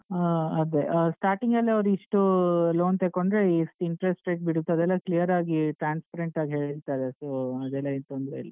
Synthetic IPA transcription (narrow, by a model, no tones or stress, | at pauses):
ɐd̪eʔsʈaːɾʈiŋɡɐlːiɐʋɾuiʂʈulo̞ːnt̪ekoɳɖɾesʈiɳʈɾesʈɾeːʈ̚biɽut̪ːɐd̪ɛlːɐklijɐɾaːɡiʈɾaːnspɐɾeɳʈaːɡiɦe̞ːɭiɾt̪ajd̪esoːɐd̪ɛlːɐint̪ond̪ɾeilːi